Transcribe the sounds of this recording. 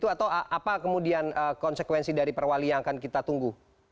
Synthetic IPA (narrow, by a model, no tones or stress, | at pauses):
t̪uat̪awaʔapakəmudianəːkɔnsəkwɛnsidaɾipərwalijaŋkankit̪at̪uŋɡu